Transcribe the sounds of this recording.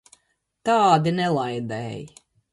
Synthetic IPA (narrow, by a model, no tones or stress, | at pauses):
t̪aːd̪inɛlˠajd̪ɛːj